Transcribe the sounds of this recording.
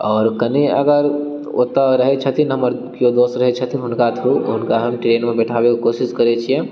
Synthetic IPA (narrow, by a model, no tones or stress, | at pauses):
ɔːɾkɐniə̰ɡəɾ | o̰ːt̪aɾɐɦet͡ʃʰɐt̪ʰinɦɐməɾ | kjod̪oːsɾɐɦet͡ʃʰət̪ʰinɦʊnkat̪ʰuʊnkaɦɐmʈɾeːnmẽbɛʈʰaːwekikoːsɪskɐɾet͡ʃʰijɛ̃